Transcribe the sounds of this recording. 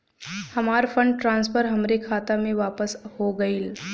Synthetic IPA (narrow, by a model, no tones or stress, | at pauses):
hɐmaːɾfɐ̃ɳɖʈɾãːnspəɾɦɐmɾekʰaːt̪amẽʋaːpəshoɡɐiːl